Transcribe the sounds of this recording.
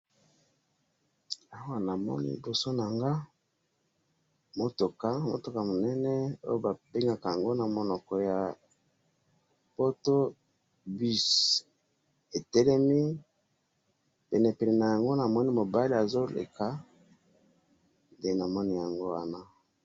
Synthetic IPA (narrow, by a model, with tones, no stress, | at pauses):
a˦wa˨na˨mɔ̰˦nḭ˦i˨bo˨so˦na˨ŋɡa˦ | mo˨to˨ka˦mo̰˨to˨ka˨mo˨nɛ˦nɛ˦o̰˦jo˦ba˨be˦ŋɡa˨ka˨ja˨ŋɡo˦na˨mo˨nɔ˨kɔ˨ja˨ | po˦to˦ | bi˦s | e˨tɛ˦lɛ˦mi˦ | pɛ˨nɛ˨pɛ˨nɛ˨na˨ja˨ŋɡo˦na˨mɔ˦ni˦mo˨ba˦li˦a˨zo˦lḛ˨ka˦ | de˨na˨mɔ˦ni˦ja˨ŋɡo˦wa˦na˦